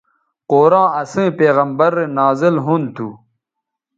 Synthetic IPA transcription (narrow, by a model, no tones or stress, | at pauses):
qoːɾãːɐsẽːpeːɣɐmbɐɾenaːzilɦunt̪ʰu